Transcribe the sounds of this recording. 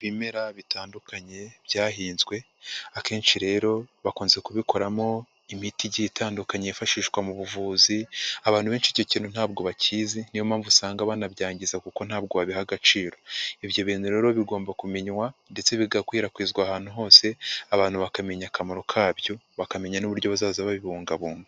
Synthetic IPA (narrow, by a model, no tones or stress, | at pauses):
βime̞ɾaβitaːndukaɲe̞βjaːɦiːnzɡwe̞ | ake̞ːnʃiɾe̞ːɾo̞βakoːnzekuβiko̞ɾamo̞ | imitiɟitʰaːndukaɲeifaʃiːʃɡwamuβuvuːziaβaːn̥uβeːnt͡ʃico̞ciːnun̥aːbɡo̞βaciːzinijomaːɱvusaːŋɡaβaːnabjaːɲɟizakuko̞n̥haːb̚ɡo̞βaβiɦaɡat͡ʃiːɾo̞ivjo̞βiːn̥uɾe̞ːɾo̞βiɡo̞ːmbakumiɲwande̞t͡se̞βiɡakwiːɾakwiːzɡwaːhaːn̥uɦo̞ːse̞aβaːn̥huβakame̞ɲakʰamaɾo̞kʰaːβjo̞βakame̞ɲanuβuɾɟo̞βazaːzaβaβiβuːŋɡaβuːŋɡa